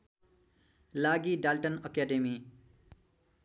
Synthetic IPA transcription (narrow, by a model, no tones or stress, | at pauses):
laɡiɖalʈʌnʌkaɖemi